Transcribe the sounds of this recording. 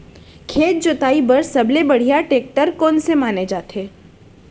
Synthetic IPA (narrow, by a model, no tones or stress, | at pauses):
kʰeːt̪̚d͡ʒʊt̪aːibəɾsɐblebɐɽ̤ijaʈeːk̚ʈəɾkɔːnsemaːned͡ʒaːt̪ʰeː